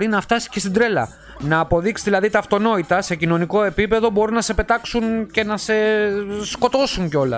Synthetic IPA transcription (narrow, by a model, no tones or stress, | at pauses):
ɾinɐft̪ɐsi̥ce̞st̪id̪ɾe̞lɐ̰ | nɐːpo̞ðiksi̥ðilɐðit̪ɐːft̪o̞no̞it̪ɐse̞cino̞niko̞e̞pipe̞ðo̞bo̞ɾunɐse̞pe̞t̪ɐksunce̞nɐse̞sko̞t̪o̞suɲceo̞lɐ̰